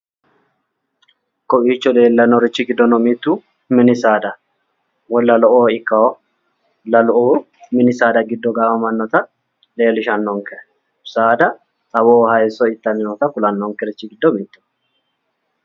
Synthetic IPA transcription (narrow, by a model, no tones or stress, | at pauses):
kɔpiːt͡ʃːɔle̞ːlːɐnɔɾɪt͡ʃːɪɡɪd̪ːɔnɔmiːt̪ːuː | mɪnɪsaːd̪ɐ | wɔlːɐlɔʔoːɪkːɐɔ | lɐlɔʔoː | mɪnɪsaːd̪ɐɡɪd̪ːɔɡaːfɐmɐnːɔt̪ɐ | le̞ːlɪʃɐnːɔŋkɛʔ | saːd̪ɐ | t̪ʼɐβoːhɐjɛsɔɪt̪ːɐmɪnɔt̪ɐkʊlɐnːɔŋkɛɾɪt͡ʃːɪɡɪd̪ːɔmiːt̪ːʊ̥